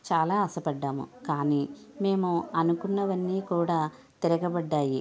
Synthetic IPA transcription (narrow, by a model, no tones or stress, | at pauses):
t͡ʃaːlaːɐsɐpɐɖːaːmṵkaːniːme̞ːmuɐnukunːɐʋɐnːiːkuːɽaː | t̪iɾɐɡɐbɐɖːaːji